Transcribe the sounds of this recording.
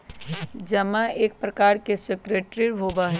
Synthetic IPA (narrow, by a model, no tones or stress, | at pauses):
d͡ʒɐmaeːk̚pɾɐkaːɾkesekɾeːʈɾiɾbʱoːbaɦɛ